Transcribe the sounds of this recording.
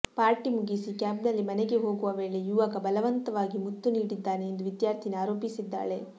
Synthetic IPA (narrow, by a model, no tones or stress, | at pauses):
paːɾʈimuɡisikjaːbnɐlːimɐnɛɡe̞ɦo̞ːɡuʋɐʋe̞ːɭe̞juʋakɐbɐlɐʋɐnt̪ɐʋaːɡimut̪ːuniːɽid̪ːaːne̞ːnd̪uʋid̪jaːɾt̪ʰinaːɾo̞ːpisid̪ːa̰ːɭe̞